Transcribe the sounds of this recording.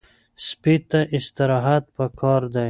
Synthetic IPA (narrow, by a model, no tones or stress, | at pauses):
spit̪aʔɪst̪ɪɾɑɦat̪̚pakʰɑɾd̪a